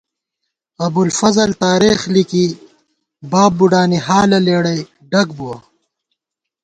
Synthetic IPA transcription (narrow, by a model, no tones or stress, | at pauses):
ɐbulfɐzɐlt̪aːɾeːxliki | baːb̚ːuɖaːniɦaːlɐleːɽɐj | ɖɐkbuwɐ